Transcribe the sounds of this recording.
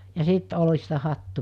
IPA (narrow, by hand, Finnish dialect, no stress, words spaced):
jɑ siˑt olistɑ hɑtːu